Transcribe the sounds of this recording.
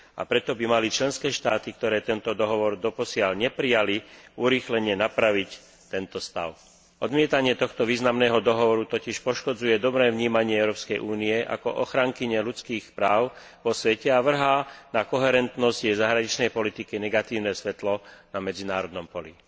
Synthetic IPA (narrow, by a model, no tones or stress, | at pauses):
a̰pɾɛt̪ɔbimalit͡ʃlɛnskɛːʃt̪aːt̪ikt̪ɔɾɛːt̪ɛnt̪ɔd̪ɔɦɔʋɔɾd̪ɔpɔsɪalɲɛpɾijaliuɾiːxlɛɲɪɛnapɾaʋic | t̪ɛnt̪ɔst̪a̰ʊ | ʔɔd̪mɪɛt̪aɲɪɛt̪ɔxt̪ɔʋiːznamnɛːɦɔd̪ɔɦɔʋɔɾut̪ɔciʃpɔʃkɔd͡zujɛd̪ɔbɾɛːvɲiːmaɲɪɛɛʊɾɔːpskɛjʔuːniɛʔa̰kɔ̰ʔɔxɾaŋkiɲɛlut͡skiːxpɾaːʊ | ʋɔsʋɛcɛaʋr̩ɦaːnakɔɦɛɾɛnt̪nɔzɟjɛjzaɦɾaɲit͡ʃnɛjpɔlit̪ikinɛɡat̪iːʊnɛsʋɛt̪lɔnamɛd͡zinaːɾɔd̪nɔmpɔlḭ